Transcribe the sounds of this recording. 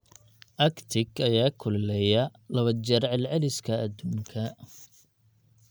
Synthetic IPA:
ʔɐkt̪ʰɪɡɐjaːkʰʊlɛlɛjɐlɐβɐd͡ʒɐɾʕɛlʕɛlɪskʰɐːd̪uːŋkʰɐ

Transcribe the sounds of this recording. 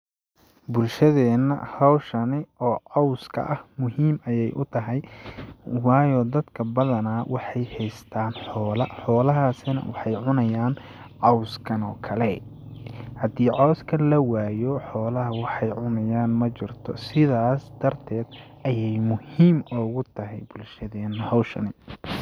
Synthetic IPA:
bʊlʃɐðɛːnːɐ̰hɔwʃɐnɪʔɔːʕɑwskʰɐ̰ʔɐhmʊɦiːmɐjɛjʔʊt̪ʰɐɦɛj | wɑːjɔːd̪ɐd̪kʰɐbɐðɐnaːwʔɑħɑjhɛjst̪ʰaːnħɔːlɐħɔːlɐɦaːsɪnɐ̰wɑħɑjʕʊnɐjaːn | ʕɑwskʰɐnɔːkʰɐlɛ | hɐd̪iːʕɔwskʰɐlɐwaːjɔħɔːlɐɦɐwɑħɑjʕʊnɐjaːnmɐt͡ʃɪrt̪ʰɔ̰sɪðaːsd̪̥ɐrt̪ʰɛːd̪ | ʔɐjɛjmʊhiːmɔːɣʊt̪ʰɐɦɛjbʊlʃɐðɛːnːhɔwʃɐ̰nɪ

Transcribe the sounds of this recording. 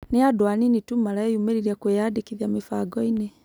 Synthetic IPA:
neadwaninitumaɾaɔjumɛɾiɾiakwejadikiðjamifaɡɔinɛ

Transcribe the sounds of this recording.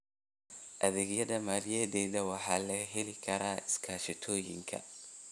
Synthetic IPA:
ʔɐðɪɣjɐðɐmaːljɛdɛːðɐwɑħɑːlɐɦɛlɪkʰɐɾaːɪskʰaːʃɪt̪ʰɔːjɪ̰ŋkʰɐ̰

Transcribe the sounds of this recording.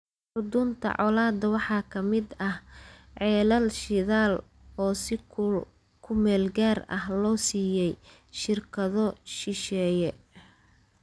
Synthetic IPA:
ħʊd̪unt̪ʰɐ̰ʕɔlaːd̪ɐwɑħɑːkʰɐmɪd̪ɐhʕɛːlɐlʃɪðaːl | ɔːsɪ | kʰʊmɛːlɡaːrɐ̰hlɔːsiːjɛj | ʃɪrkʰɐðɔʃɪʃɛːjɛ

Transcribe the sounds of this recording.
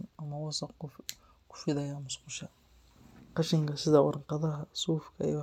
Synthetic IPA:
nɐmɐwɑsɐqʊ | kʰʊ̥ʃwɪðɐjamʊsqʊʃɐ | qɑʃɪŋkʰɐsɪðɐwɑ̰ɾqɑðɐɦɐsuːfkʰɐʔḭj

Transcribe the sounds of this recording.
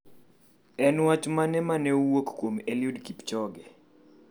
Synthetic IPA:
ɛnwat͡ʃmanɛmanɛuwokkːwomɛljudkipt͡ʃɔɡɛ

